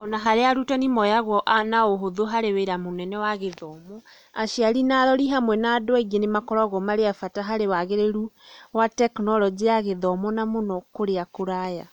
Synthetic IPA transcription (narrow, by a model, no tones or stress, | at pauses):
ɔnaɦaɾeaɾutanimɔjaɣwɔʔnaoɦoðoɦaɾeweɾamonɛnɛwaɣeðɔmɔ | aʃiaɾinaːɾɔɾiɦamwɛnaːdoaiɣenemakɔɾaɣɔmaɾeafataɦaɾewaɣeɾeɾuwatɛknɔɾɔd͡ʑeaɣeðɔmɔnamonɔkoɾeakoɾaja̰